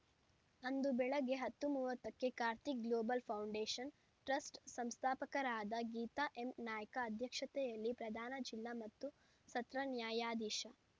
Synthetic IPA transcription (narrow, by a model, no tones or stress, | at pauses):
ɐnd̪ubɛɭɐɡeɦɐt̪ːumuːʋɐt̪ːɐkːe̞kaːɾt̪ik̚ɡloːbɐlpʰɐwɳɖeːʂɐn | ʈɾɐsʈsɐmst̪ʰaːpɐkɐɾaːd̪ɐɡiːt̪aʔemnaːjɐkɐːd̪ʱjɐkʂɐt̪ɛjɐlːipɾɐd̪ʱaːnɐd͡ʒilːamɐt̪ːu | sɐt̪ɾɐnjaːjaːd̪iːʃɐ